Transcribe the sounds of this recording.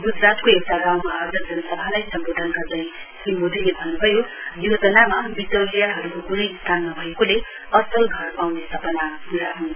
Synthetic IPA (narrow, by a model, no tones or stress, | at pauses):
ɡud͡zɾat̪koewʈaɡawmaɦʌrd̪ʱʌk̚d͡zʌnʌsʌbʱanʌjsʌmbod̪ʱʌnɡʌrd̪ʌj̃ | kimod̪ʱilebʱʌnːubʱʌjojod͡zʌnamabit̪ʌwlijaɦʌɾukokunʌjst̪ʰanːʌbʱʌjekole | ʌsʌlɡʱʌrpawnest̪ʰʌpʌnapuɾaɦon